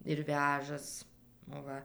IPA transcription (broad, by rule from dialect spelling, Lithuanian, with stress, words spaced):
ɪr ˈʋʲæːʒɐs ˈʋɐ